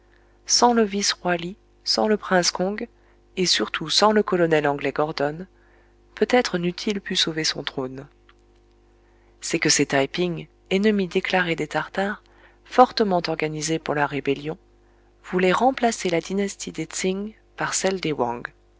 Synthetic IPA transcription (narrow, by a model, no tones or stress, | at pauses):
sɑ̃ləvisʁwali | sɑ̰̃ləpχɛ̃skɔ̃ɡ | esyʁt̪ʰusɑ̃ləkɔlɔnɛlɑ̃ɡlɛɡɔʁd̪ɔn | pøt̪ɛt̪χənyt̪ʰilpysovesɔ̰̃t̪χon | sɛkəset̪ajpiŋ | ɛnəmid̪eklaʁed̪et̪aʁt̪aʁ | fɔʁt̪əmɑ̃t̪ɔʁɡanizepuʁlaʁebeljɔ̃ | vulɛʁɑ̃plaselad̪inast̪ʰid̪et̪siŋ | paʁsɛld̪ewɑ̰̃ɡ